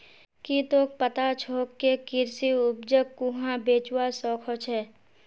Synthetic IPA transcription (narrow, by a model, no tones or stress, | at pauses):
kit̪oːk̚pət̪at͡ʃʰoːkːekɪɾsiʊp̚d͡ʒəkːuɦãbeːt͡ʃwasɔːkʰɔt͡ʃʰɛː